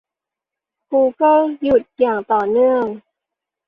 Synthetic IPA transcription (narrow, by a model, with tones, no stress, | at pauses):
kuː˧kɤ˥˩lju˨˩t̪̚jaː˨˩ŋt̪ɔː˨˩nɯ˥˩əŋ